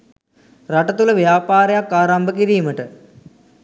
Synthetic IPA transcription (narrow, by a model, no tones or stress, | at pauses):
rɐʈɐt̪ulɐʋjaːpaːɾɐjakːaːɾɐmbʱɐk̬iɾijumɐʈɨ